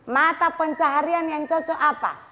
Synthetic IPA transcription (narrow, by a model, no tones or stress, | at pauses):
mat̪apɔɲt͡ʃaɦaɾianjaŋt͡ʃɔt͡ʃɔʔapa̰